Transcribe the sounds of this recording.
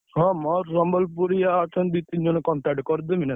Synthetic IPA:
hɔ̃mɔɾːɔmbɔlpuɾijaːt͡ʃʰɔnb̪it̪ind͡ʒɔnɔkɔɳʈakʈkɔɾd̪emina

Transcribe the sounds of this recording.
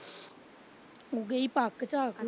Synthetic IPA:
oɡeipakːt͡ʃakʰ

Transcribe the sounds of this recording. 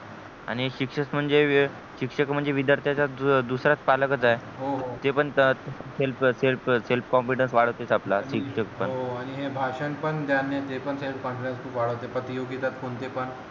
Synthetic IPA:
a̰ɽ̃iɕikʂəsm̤əɳd͡ze | ɕikʂəkm̤əɳd͡zeʋid̪əɾt̪ʰjat͡ɕad̪usɾat͡spalkət͡saeɦoɦot̪epəɳt̪eselfselfselfkɔmpiʈənsʋaɽ̤əʋt̪et͡saplaɕikʂəkpəɦoaɽ̃iɦebʱaʂənpəɳd̪janːet̪epəɳselfkɔ̃mpiʈẽnskʰuːpʋaɽ̤əʋt̪epət̪ijoɡit̪at̪koɳt̪epəɳ

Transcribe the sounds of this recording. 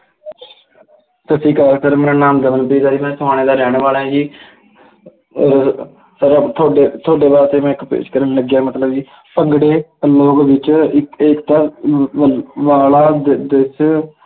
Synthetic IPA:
t̪əsĩːkasəɾmeːɾaːnaːmd̪əmənpiːd̪aːd͡ʒiːmɛ̃ːsəaːɽ̃eːd̪aːɾɛːɳ̃ʋaːlɛ̃ːd͡ʒiː | səɾt̪ʰoːɖeːt̪ʰoːɖeːbaːɾt͡ʃ̪emɛ̃ːɪkpḛːʃkəɾənləɡjaːmət̪ləbd͡ʒiː | pəŋɡɽeːloːkʋɪt͡ʃɪkeːkt̪aː | ʋaːlaːd̪d̪es

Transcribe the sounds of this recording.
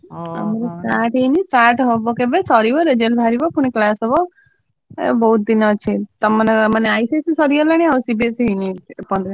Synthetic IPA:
a̰mɔɾɔsʈaɾʈɦejnisʈaɾʈɦɔbɔkebesɔɾibɔɾed͡ʒelbʱaɾibɔpuɽ̃iklasɔbɔ | bɔɦut̪̚d̪inɔt͡ʃʰit̪ɔmanemaneajsesisɔɾiɔlaɽ̃iausibesɦejnipɔnd̪ɾi

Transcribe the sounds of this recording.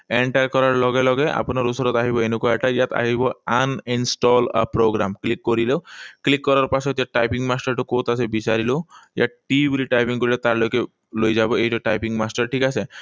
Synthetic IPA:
eɳʈaɾkɔɾaɾlɔɡelɔɡeʔa̰pɔnɔɾusɔɾɔt̪aɦibɔenukuaʈajat̪a̰ɦibɔaninsʈɔla̰pɾoɡɾa̰mklikːɔɾiloklikːɔɾaɾpasɔt̪jaʈajpiŋɡmasʈaɾʈukot̪asebisaɾiloja̰ʈibɾiʈajpiŋkɔɾilet̪aɾloke | lojd͡ʒabɔeiʈɔʈajpiŋɡmasʈaɾʈʰikase

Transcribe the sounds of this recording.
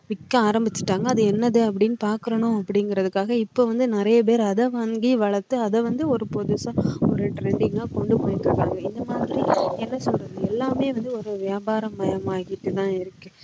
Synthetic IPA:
ʋɪkːɐ̃aːɾɐmbɪt͡ʃːɯ̥ʈːaːŋɡɐːðɯɛnːɐðɯɐp̬ːɐɽɪnːɯpaːɾkɯɾɐɳʊ̃ɐpːɐɽɪŋɡɪɾɐðɯkːaːɣɐɪpːoːʋɐnd̪ɯnɪɾɐjɐp̬eːɾɐðɛʋaŋɡiʋɐɭɐɾt̪ːɯɐðɛʋɐnd̪ɯɔɾɯpɔðɯsɐ̃ɔɾɯʈɾɛɳɖɪŋɡaːkɔɳɖɯpoːjɪt̪ːɯkːaːŋɡɐɪnd̪ɐmaːðɪɾiɛnːɐsɔlrɐðɯɛlːaːmeːʋɐnd̪ɯɔɾɯʋɪjaːbaːɾɐmːɐjɐmaːɣɪʈːɯt̪ãːɪɾɯkːɯ

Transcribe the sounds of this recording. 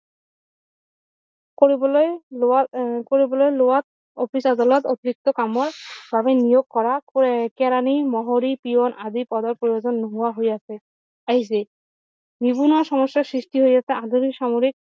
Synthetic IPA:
ko | koɾibɔlɔjloat̪̚ | ofisad̪alɔt̪ot̪iɾik̚t̪okamoɾbʱabenijoɡ̚kɔɾakɛɾanimɔɦoɾipionʔad̪ipɔd̪ɔɾpɾojod͡ʑonːoɦuwaɦojasʰe | aɦis̬e | bibunɔʃɔmɔʃːasɾiʃʈiɦojd͡ʑat̪ʰead̪ʱuɾiʃamuɾik̚

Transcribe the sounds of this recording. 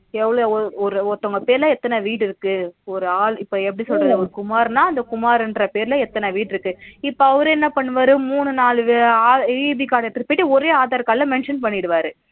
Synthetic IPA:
ɛʋːɐɭoɔɔɾɯɔt̪ːɔŋɡɐpeːɾlɐ̃ɛt̪ːɐnɐʋiːʈɪɾɯkːɯɔɾɯaːlɪpːoːɛp̬ːɐɽisɔlɾɐðɐɔɾɯkʊmaːɾnaːɐnd̪ɐkʊmaːɾɛndrɐpeːɾlɐɛt̪ːɐnɐʋiːʈːɪɾɯkːɯɪpːoɐʋɐɾɯɛnːɐpɐɳːɯʋaːɾɯmuːɳɯnaːlɯʋaːbikaːɽɐɛt̪ːɪɾɯpːiʈːɯɔɾeːaːðaːɾkaːllɐ̃mɛɳʂɐnpɐɳːɪɪɽɯʋaːɾɯ

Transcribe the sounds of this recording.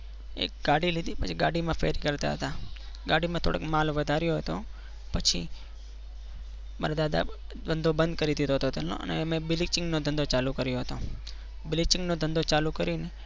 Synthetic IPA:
ḛɡ̥aɽilid̪ipət͡ʃʰiɡaɽimãfḛɾikəɾt̪a̰ɦət̪a | ɡaɽimãt̪ʰo̰ɽə̰kmalʋəd̪ʱaɾjoɦət̪o | pət͡ʃʰḭ | maɾad̪ad̪a̰ | d̪ənd̪obənd̪̚kəɾid̪ʱit̪oɦət̪ot̪elno̰ʔə̰nḛmẽbɪlik̚t͡ʃɪ̃ŋɡnod̪ʱənd̪ot͡ʃalukəɾjoɦət̪õ | bɪlɪk̚t͡ʃɪŋɡnod̪ʱənd̪ot͡ʃalukəɾine

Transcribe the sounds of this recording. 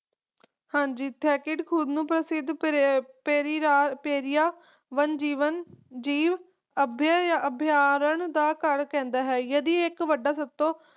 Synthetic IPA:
hãːɲd͡ʒiːt̪ʰɛːkɪʈkʰʊd̪nũːpɾəsɪd̪peːɾaːpeːɾɪjaː | ʋənd͡ʒiːʋənd͡ʒiːʋ | əbʱjaəbʱjaːɾəɳd̪aːkəɾkɛ̃ːnd̪aːɦɛːjəd̪iːɪkʋəɖaːsəb̚t̪õː

